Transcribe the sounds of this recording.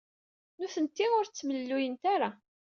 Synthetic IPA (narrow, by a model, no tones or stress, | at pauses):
nʊθənt̪ːiʊɾt͡sːməlːujənt̪aɾa